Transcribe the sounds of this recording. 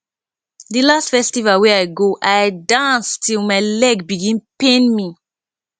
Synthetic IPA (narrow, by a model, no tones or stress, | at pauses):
dilastfɛstivalwɛajɡoʔajdãnstʰilmaɪlɛɡbiɡĩnpẽnmi